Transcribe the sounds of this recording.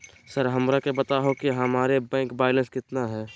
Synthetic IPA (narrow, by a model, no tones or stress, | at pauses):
səɾɦəmɾakebət̪aɦokiɦɐmaːɾebɛ̃ːŋkbaːɪlə̃nskɪt̪naɦɛː